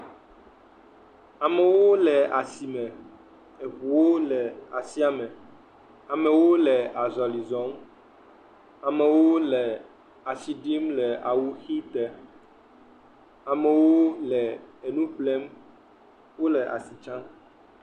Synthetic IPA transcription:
a˨mɛ˨wwo˦lɛ˨ʔa˨si˨mɛ̃˨ | e˨ɸu˨wo˦lɛ˨a̰˨si˦a˦mɛ̃˨ | a˨mɛ̃˨wo˦lɛ˨a˨zɔ˨li˨zɔ˨˦m | a˨mɛ˨wo˦lɛ˨ | a˨si˨ɖi˦mlɛ˨ʔa˨wu˦xi˦t̪ɛ˨ | a˨mɛ˨wo˦lɛ˨e˨nũ˦ɸlɛ˦m | wo˦lɛ˨ʔa̰˨si˨t͡ʃã˦

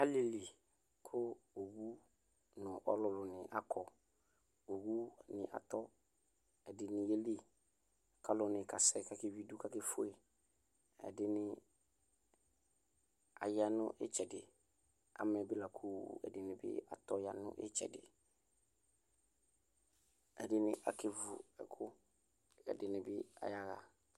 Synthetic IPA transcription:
a˦le˨li˨ | kʰʊ˦o˨wu˦ | nʊ̃˨ʔɔ˦lʊ˨lʊ˨nɪ˨ʔa˦kʰɔ˨ | o˨wu˦nɪ̃˨ʔa̰˨tɔ˦ | ɛ˨dɪ˨nɪ̃˨e˦li˦˨ | ka˦lʊ˨nɪ̃˨ka˨sɛ˦ka˦kɪ˦wi˦du˦ka˦kɪ˦fʊ˦e˨ | ɛ̰˨dɪ˦nɪ˦ | a̰˨ja˦nʊ̃˦ʔɪ̰˦t͡ʃɛ˨dɪ˨ | a̰˨mɛ˨bɪ˦la˨kʰu˦˨ɛ̰˨dɪ˨nɪ̃˨bɪ̰˦a̰˨tɔ˦ja˨nʊ̰̃˦ʔɪ̰˦t͡ʃɛ̰˨dɪ̰˨ | ɛ˨dɪ˦nɪ˨ʔa˨kɪ˨vʊ̰˨ɛ̰˨kʰʊ˦ | ɛ̰˨dɪ˨nɪ˨bɪ˦a̰˨ja˦ɣa̰˨

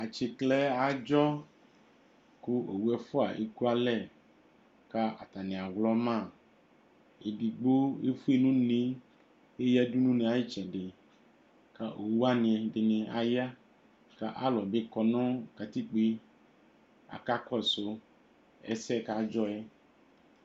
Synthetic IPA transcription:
a˨t͡ʃi˨klɛ˦a˨d͡ʒɔ˦ | ku˦o˨wu˦ɛ˨fɔ˦a̰˨ʔḛ˨ku˦a˦lɛ˦˨ | ka˦a̰˨t̪a˨nẽ˨a˨ɣlɔ˦mã˦˨ | e˨di˨ɡ͡bo˦e˦fu˦e˦˨nũ˦nĩ˦ | e˦jɛ˦du˦nũ˦nẽ˨a˨ji˦t͡ʃɛ̃˨ɖe˨ | ka˦ʔo˨wu˦a˦nĩ˨ɛ˨ɖe˨nẽ˨a˨ja˦ | ka˦ʔa̰˦lɔ˨be˦kɔ˨nɔ̃˦ka˨t̪i˦k͡pe˦ | a̰˨ka˦kɔ˦˨so˦ | ɛ̰˦sɛ˦ka˨˦d͡ʒɔ˦ɛ˦

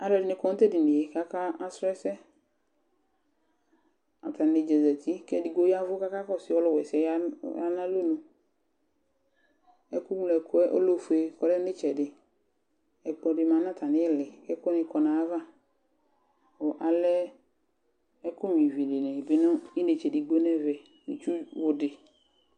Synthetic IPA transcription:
a˨lɛ˨dɪ˨nɪ˨kɔ˨˦n˦tɛ˦dɪ˨ne˨e˨ka˦ka˦a˨sɛ˦sɛ˦ | a̰˨ta˨n˨nɪ˨d͡ʒɛ˨zɛ˨ti˦kɛ˦di˨ɡo˦ja˦vʊ˦ka˦ka˦kɔ˦sɪ˨˦ɔ˦lɔ˦wɛ˨sɛ˦ja̰˦na˦lo˦nu˨ | ɛ˦ku˦m˦lɛ˨kʊ˦ɛ˦ʔo̰˦lo˦fu˨e˨kɔ˨ɾɛ˦nɪ˦t͡ʃɛ˨dɪ˨ | ɛ˨k͡pɔ˨dɪ˨mã˨n˦ã˦ta˨nɪ˨˦ɛ˦lɪ˨kɛ˦kɔ˦nɪ˦kɔ˨na˨˦va˦ | ɔ˨ʔa˨lɛ˦ | ɛ˦kʊ˦˨i˨vi˨dɪ˨nɛ˨bɪ˦nʊ̃˦i˦nɪ˨t͡ʃɛ˨di˨ɡ͡bo˦nɛ˦vɛ˨ | nɪ̰˨t͡ʃu˦wʊ˨dɪ˨

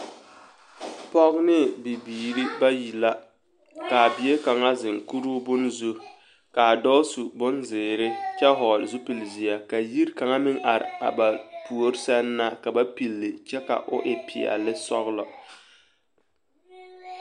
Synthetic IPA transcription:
pɔ˦knɪ˦bi˨biː˨ɾi˦ba˦ji˨la˦ | ka˨a˨bɪ˨e˦ka˨ŋa˦zɪ˨ŋku˦ɾu˦bʊ˦nzu˦ | ka˨dɔ˦su˨bʊ˦nzɪː˨ɾɪ˦t͡ʃɛ˦ɦɔ˨lzu˦pi˨lzi˨a˨ka˨ji˦ɾka˨ŋa˦mɪ˦ŋʔa˨ɾɪ̰˨a̰˨ba˨pʰu˨o˨ɾɪ˦sɛ˦nːa˦ka˨ba˦pi˨lːɪ˨t͡ʃɛ˦ka̰˨ʔʊ̰˦ʔɪ˨pʰɪ̰˨a̰˨lɪ˦sɔ̰˦ɣlɔ˨

